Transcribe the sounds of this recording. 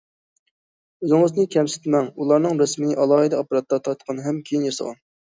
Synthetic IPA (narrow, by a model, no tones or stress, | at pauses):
øzɪŋəznɨkʲʰɛmsɪ̥t̪mɛŋulˠɑɾnɨŋɾɛsmɪnɨʔɑlˠɑːɦid̪ɛɑpɾɑt̪lˠɑt̪ʰːɑt̪qʰɑnɦɛmkʲʰejinjɑsɑ̰ʁɑ̰n